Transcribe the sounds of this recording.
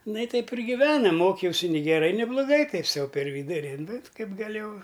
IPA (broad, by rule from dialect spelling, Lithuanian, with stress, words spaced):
ˈnɐ ɪ ˈtʲɛɪp ɪr ɡʲɪˈʋʲæːnɐm ˈmoːkʲɛʊsʲɪ nʲɪ ɡʲɛˈrɐɪ nʲɪ blˠoːˈɡɐɪ ˈtɐɪp ˈsɐʊ pʲɛr ˈʋʲiːdʊrʲɪ nʊ ˈkɐɪp ɡɐˈlʲeːjɛʊ